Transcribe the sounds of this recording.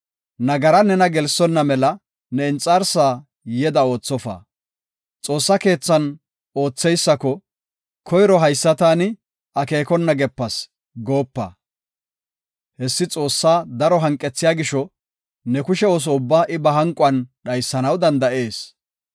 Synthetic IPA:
nɐɡɐɾɐnɛnɐɡɛlsɔnːɐmɛlɐ | nɛɪnt͡sʼːaːɾsaː | jɛd̪ɐo̞ːt͡sːɔfa̰ː | t͡sʼo̞ːsːɐke̞ːt͡sːɐn | o̞ːt͡sːɛjsːɐkɔ | kʰɔjɾɔɦɐjsːɐt̪aːnɪ | ɐke̞ːkɔnːɐɡɛpːɐs | ɡo̞ːpːɐ̰ | hɛsːɪt͡sʼo̞ːsːaːd̪ɐɾɔɦɐŋkʼːɛt͡sːɪjaːɡɪʃɔ | nɛkʊʃɛo̞ːs̬ɔʊbːaːʔɪbɐɦɐŋkʼʊɐnɗɐjsːɐnɐwd̪ɐnd̪ɐʔe̞ːs

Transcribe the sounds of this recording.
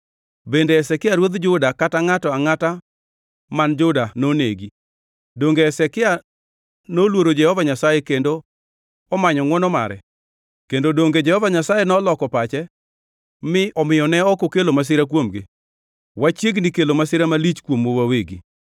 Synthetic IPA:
bendeːsɛkɪaɾwod̪d͡ʒʊdakataŋatɔaŋata | mand͡ʒʊdanonḛɡi | doŋɡeːsɛkɪa | nolwoɾod͡ʒɛhɔvaɲasajɛkendo | ɔmaɲɔŋwɔnɔma̰ɾɛ̰ | kendodoŋɡed͡ʒɛhɔvaɲasajɛnɔlɔkɔpat͡ʃɛ | mɪʔɔmɪjɔnɛɔkokelomas̬ɪɾak̬womɡɪ̰ | wat͡ʃjeɡnikelomasɪɾamalit͡ʃkwomowaweɡḭ

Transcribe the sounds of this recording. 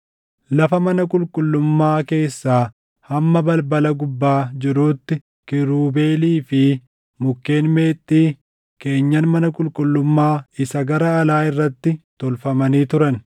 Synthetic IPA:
lɐfɐmɐnɐkʼʊlkʼʊlːʊmːaːke̞ːsːaː | hɐmːɐbɐlbɐlɐɡʊbːaːd͡ʒɪɾuːt̪ːɪ | kɪɾuːbe̞ːliːfɪ | mʊkːe̞ːnme̞ːt̪ʼːiː | ke̞ːɲːɐnmɐnɐkʼʊlkʼʊlːʊmːaːɪsɐɡɐɾɐːlaːɪrːɐt̪ːɪt̪ɔlfɐmɐniːt̪ʊɾɐn

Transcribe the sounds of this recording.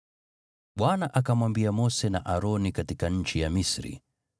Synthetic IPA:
ɓwanaʔakamwambiamɔsɛnaʔaɾɔnikatikaɲ̩t͡ʃijamisɾḭ

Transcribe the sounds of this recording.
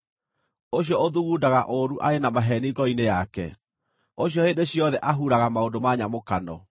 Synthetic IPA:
oɕjɔoðuɣuːdaɣaʔoɾuʔaɾenamaɦɛniɡɔinejakɛ̰ | oɕjɔhedeɕjɔðɛʔaɦuɾaɣamaodomaɲamokanɔ̰

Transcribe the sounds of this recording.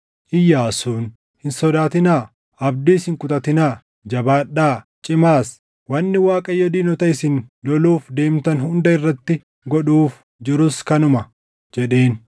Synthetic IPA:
ʔɪjːaːsuːn | hɪnsɔd̪aːt̪ɪnaː | ɐb̚d̪iːshɪŋkʊt̪ʼɐt̪ɪnaː | d͡ʒɐbaːᶑːaː | t͡ʃʼɪmaːs | wɐnːɪwaːkʼɐjɔd̪iːnɔt̪ɐɪsɪnlɔluːfd̪e̞ːmt̪ɐnhʊnd̪ɐɪrːɐt̪ːɪ | ɡɔᶑuːf | d͡ʒɪɾʊskɐnʊmɐ | d͡ʒɛɗe̞ːn

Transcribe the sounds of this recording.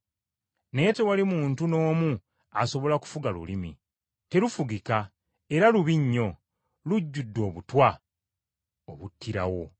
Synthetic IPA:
ne̞te̞walimuːntuno̞ːmu | a̰so̞βo̞laku̥fuɡalṵlimḭ | te̞ɾufuɡika | e̞ɾaluβiɲːo̞ | luɟːudːo̞ːβutwa | o̰βutʰːiɾa̰wo̞

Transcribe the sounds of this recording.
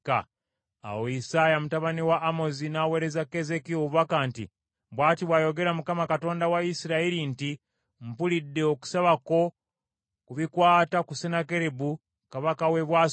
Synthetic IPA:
ka̰ | a̰woisaːjamutaβaniwaʔːmo̞zinaːwe̞ːɾezakːe̞ze̞kioβakantḭ | bwaːtiβwajo̞ɡe̞ɾamukamakato̞ːndawaisiɾaiɾinti | m̩pulidːe̞oku̥saβako̞ | kuβikwaːtakusenake̞ɾebu | kaβakawe̞βwaː

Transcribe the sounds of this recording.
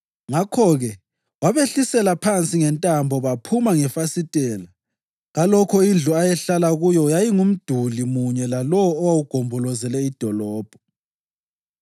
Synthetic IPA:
ŋakʰɔɣɛ | waβeɬisɛlapʰant͡sʼiŋɛntʼambʱɔβapʰumaŋɛfasitʼɛːla | ɣalɔkʰɔind͡ɮʱuajɛɬalaɣujɔjajiŋum̩d̥ʱulimuɲɛlalɔwɔːwawuɡ̥ʱɔmbʱɔlɔzɛlɛid̥ʱɔlɔːb̥ʱɔ

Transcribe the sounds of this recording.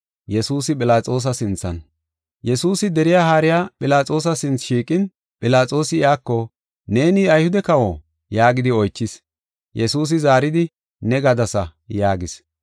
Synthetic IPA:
jɛsuːsɪpʼɪlaːt͡sʼo̞ːs̬ɐsɪnt͡sːɐ̰n | jɛsuːsɪd̪ɛɾɪjahaːɾɪjaːpʼɪlaːt͡sʼo̞ːs̬ɐsɪnt͡sʃiːkʼɪn | pʼɪlaːt͡sʼo̞ːsɪɪaːkːɔ | ne̞ːniɐjhʊd̪ɛkɐwoː | jaːɡɪd̪ɪɔjt͡ʃːɪs | jɛsuːs̬ɪzaːɾɪd̪ɪ | nɛɡɐd̪ɐsɐjaːɡɪs

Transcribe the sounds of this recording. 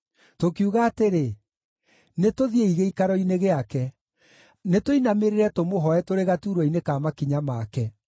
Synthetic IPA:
tokiuɣaːteɾe | netoðieiɣeikaɾɔineɣeakɛ | netoinameɾeɾɛtomoɦɔɛtoɾeɣatuːɾwɔinekaːmakiɲamakɛ

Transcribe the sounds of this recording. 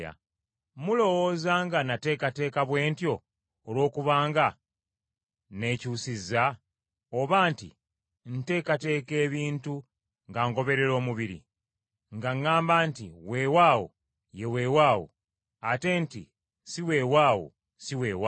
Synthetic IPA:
a̰ | mulo̞wo̞zaːŋɡanate̞ːkate̞ːkaβwe̞ːntjo̞ː | lwo̞ːkuβaːŋɡa | ne̞ːcuːsiza | oβaːntḭ | n̩te̞ːkate̞ːke̞ːβiːntu | ŋɡaːŋko̞βe̞ɾe̞ɾo̞ːmuβiɾḭ | ŋɡaŋːaːmbaːntiwe̞ːwaːwo̰ | je̞we̞ːwaːwo̰ | ate̞ːnti | siwe̞ːwaːwo̰ | siwe̞ːwa

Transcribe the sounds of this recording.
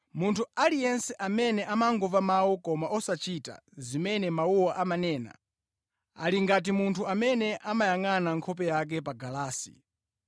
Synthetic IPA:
muntʰualijɛnsɛʔamɛnɛʔamaŋɡɔvamawɔkɔmaʔɔsat͡ʃita̰zimɛnɛmawuwaʔamanɛːna̰ | a̰liŋɡat̬imuntʰuamɛnɛʔamajaŋanaŋkʰɔp̬ɛjak̬ɛpaɡalaːsḭ

